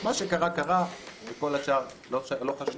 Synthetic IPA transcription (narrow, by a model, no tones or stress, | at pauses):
maʃekaʁakaʁamekolat͡ʃaːʁloloχaʃu